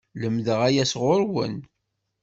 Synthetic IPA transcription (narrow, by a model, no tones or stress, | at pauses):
ləmðəʁæjæsʁʊɾwə̰n